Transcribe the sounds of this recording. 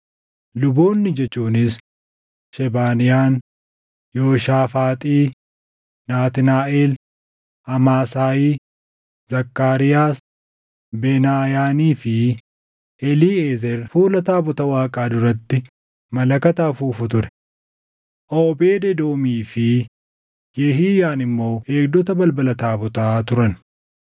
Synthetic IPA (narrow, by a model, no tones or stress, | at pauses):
lʊboːnːɪd͡ʒɛt͡ʃːuːnɪs | ʃɛbaːnɪjaːn | joːʃaːfaːt̪ʼiː | naːt̪ɪnaːʔeːl | ɐmaːsaːjiː | zɐkːaːɾɪjaː | benaːjaːniːfɪ | ɛliːeːzɛɾfuːlɐt̪aːbɔt̪ɐwaːkʼaːd̪ʊɾɐt̪ːɪ | mɐlɐkɐt̪aːfuːfʊt̪ʊɾɛ̥ | ʔoːbeːd̪ɛd̪oːmiːfɪ | jɛɦiːjaːnɪmːo̞ːe̞ːɡd̪ɔt̪ɐbɐlbɐlɐt̪aːbʊt̪aːt̪ʊɾɐn